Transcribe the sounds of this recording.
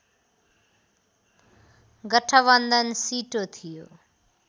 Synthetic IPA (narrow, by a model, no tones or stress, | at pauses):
ɡʌʈʰʌβʌnd̪ʌnsiʈot̪ʰijo